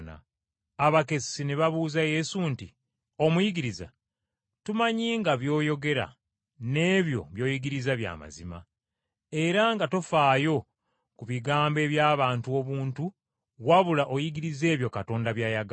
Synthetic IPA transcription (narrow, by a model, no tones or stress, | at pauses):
na̰ː | βake̞sine̞βaβuːzaje̞sunti | o̞mujiɡiɾiza̰ | tumaɲiːŋɡaβjo̞ːjo̞ɡe̞ɾa̰ | ne̞ːβjo̞̰βjo̞ːjiɡiɾizaβja̰ːma̰zima̰ | e̞ɾaŋɡatofaːjo̞ | kuβiɡaːmbe̞ːβjaːβaːntuo̞βuːntu | waβulaʔo̞jiɡiɾize̞ːβjo̞kato̞ːndaβjaːjaɡ